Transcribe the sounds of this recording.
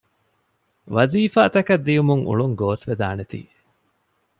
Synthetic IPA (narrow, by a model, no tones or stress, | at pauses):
ʋɐziːfaːt̪ɐkɐd̪ːijumuŋʔṵɭuŋɡoːsʋed̪aːnet̪ḭː